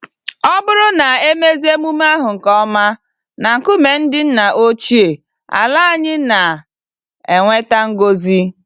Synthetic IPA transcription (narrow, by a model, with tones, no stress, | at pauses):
ɔ˦bʊ˦ɾʊ˦na˨e˦me˦zi˦e˦mu˦m˦a˦ɦʊ˨ŋ̩˨kɔ˦ma˦ | na˨ŋ̩˨kʊ˦me˨n̩˦dɪ˦n̩˦na˨ʔo˦t͡ʃi˦e˨ | a̰˨la˦a˨ɲɪ˦na˨ | e˨ŋʷe˦ta˦ŋ̩˦ɡo˦zi˦